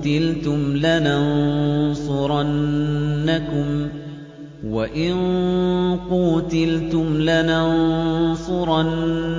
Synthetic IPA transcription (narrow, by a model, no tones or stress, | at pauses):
t̪ɪlt̪ʊmlanansˤʊɾˤɑnː | akʊm | waʔɪn | qʊt̪ɪlt̪ʊmlanansˤʊɾˤɑn